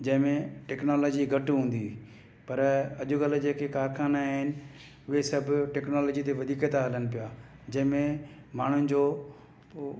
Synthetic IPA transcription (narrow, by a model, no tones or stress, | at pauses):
d͡ʑɐ̃ɦɪ̃mẽʈɛknoːlɔːd͡ʑiɡɐʈɦũːn̆d̪i | pɐɾɐʄʊɡɐlʊ̆d͡ʑeːkekaːɾxʰaːnaɦɪnɪ̆ | ʊɦesɐbʱɪʈɛːknoːlɔːd͡ʑit̪eʋɐd̪ʱiːket̪aɐlənɪ̆p̬ijaːd͡ʑɐ̃ɦɪ̃mẽ | maːɳ̤ʊnɪ̆d͡ʑoː